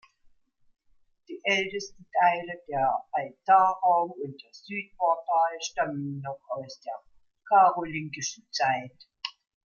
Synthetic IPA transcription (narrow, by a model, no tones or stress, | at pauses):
d̥iːʔɛltəstn̩tʰaɪlədeːɐʔaltaːʁaʊmʊnt̚d̥eːɐz̥yːt̚fɔɐfaːləʃtamənːɔχaʊsd̥eːɐ | kʰaːʁolɪŋkɪʃn̩t͡saɪt